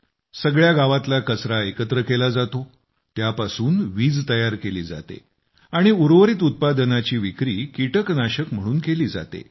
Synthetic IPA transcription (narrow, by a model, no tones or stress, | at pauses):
səɡɭjaɡaʋat̪lakəsɾaekət̪ɾəkelad͡zat̪o | t̪japasuːnʋiːd͡zt̪əjaɾkelḭːd͡za̰t̪ḛ | aɽ̃iuɾʋəɾiːt̪̬ut̪̚pad̪ənat͡ɕiːʋikɾiːkiʈəknaɕəkm̤əɽ̃uːnkeliːd͡za̰t̪ḛ